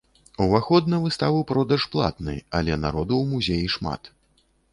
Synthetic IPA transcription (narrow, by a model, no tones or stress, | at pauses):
uvaxɔd̪nɐvɨst̪avɨpɾɔd̪ɐʂplˠa̰t̪nɨ̰a̰lʲɛna̰ɾɔd̪uwmuzʲejiʂma̰t̪